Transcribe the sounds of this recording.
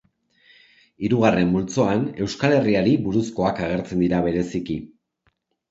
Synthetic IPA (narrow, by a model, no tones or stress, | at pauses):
iɾuɣ̞are̞mbult͡soane̞wskale̞riaɾiβuɾusko̞akaɣ̞e̞ɾt͡se̞nd̪iɾaβe̞ɾe̞siki